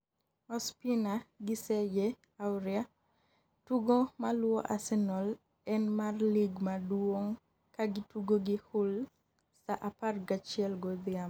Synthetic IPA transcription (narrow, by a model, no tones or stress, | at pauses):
ɔspinaɡisɛje | awɾja | tuɡomalwɔʔasɛnɔl | ɛnmarliɡmadwoŋ | kaɡituɡoɡihʊl | saʔaparɡat͡ʃɪɛlɡɔd̪ɪam